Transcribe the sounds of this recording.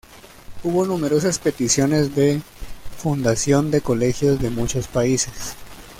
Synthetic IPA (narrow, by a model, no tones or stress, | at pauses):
uβo̞nume̞ɾo̞saspe̞t̪isjo̞ne̞zðe | fund̪asjo̞nd̪e̞ko̞le̞xjo̞zðe̞mut͡ʃo̞spaise̞s